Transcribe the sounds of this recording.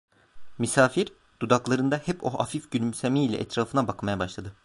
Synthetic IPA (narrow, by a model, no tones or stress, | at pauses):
misaːfiɾ | d̪̥ud̪aklˠaɾɯnd̪ahɛpo̞a̰fifɟylʲymsemiːlʲɛ̰ʔɛ̰t̪ʰɾaːfɯnabakmajabaʃlˠad̪ɯ